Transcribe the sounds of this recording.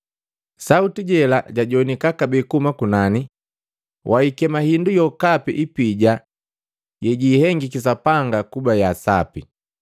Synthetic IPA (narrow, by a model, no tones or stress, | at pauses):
sautiɟɛlaɟaɟɔnikakabɛkumakunani | wʔaikɛmahindujɔkapḭʔipiɟa | jɛɟiːhɛŋɡikis̬apaŋɡakubajasa̰pi